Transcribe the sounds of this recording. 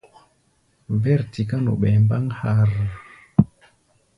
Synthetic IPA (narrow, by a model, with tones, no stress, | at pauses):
vɛ˦ɾti˨ka˦no̰˨ɓɛ˨mba˦ŋha˦ɾ